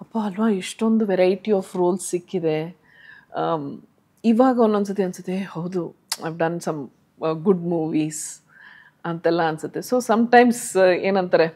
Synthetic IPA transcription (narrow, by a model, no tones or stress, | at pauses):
ɐpːaɐlʋaːiʂʈo̞nd̪uʋɛɾɐjʈiaːfɾoːlsːikːid̪e̞ | iʋaːɡɐonːons̬ut̪ːeɐnsut̪ːehɐwd̪ua̰jʋɖɐnsɐm | ɡuɖmuːʋiːs | ɐnt̪ɛlːɐːnsut̪ːe̞soːsɐmʈɐjmseːnɐnt̪ɐɾe